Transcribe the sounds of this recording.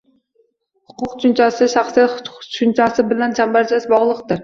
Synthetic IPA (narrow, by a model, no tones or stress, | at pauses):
hʊqʰʊqt͡ʃʰʊnt͡ʃɑsɪʃaχsijat̪ʊt͡ʃʰʊnt͡ʃʰɑsɪbɪlænt͡ʃʰambaɾt͡ʃʰasbɒʁlˠəqt̪ɨɾ